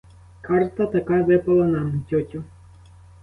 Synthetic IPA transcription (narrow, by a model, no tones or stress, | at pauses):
kʰɑrt̪ɐt̪ɐkɑʋɪpɐlˠɐnɑmtʲɔtʲʊ